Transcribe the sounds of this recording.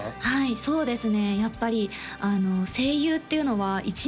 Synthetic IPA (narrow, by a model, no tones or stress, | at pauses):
haiso̞ːd̪e̞sɨne̞japːaɾʲi | ano̞se̞ːjɯːt̪ːe̞iɯ̟no̞βait͡ɕi